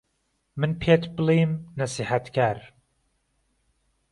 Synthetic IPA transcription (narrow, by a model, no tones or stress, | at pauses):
mɨnpʰet̪ʰbɨliːmnasiħat̪kʰaːɾ